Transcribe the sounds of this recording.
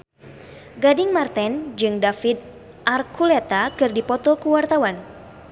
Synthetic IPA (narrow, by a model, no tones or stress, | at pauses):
ɡadɪŋmart̪ɛnd͡ʒɨŋdafid̪̚ | ʔarkʰulɛt̪akɨrdipɔt̪ɔkuwart̪awan